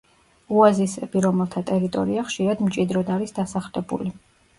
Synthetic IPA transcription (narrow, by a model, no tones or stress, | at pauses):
uazisɛbiɾɔmɛlˠt̪ʰat̪ʼɛɾit̪ʼɔ̰ɾiaχʃiɾad̪mt͡ʃʼid̪ɾɔd̪aɾisd̪asaχlɛbṵli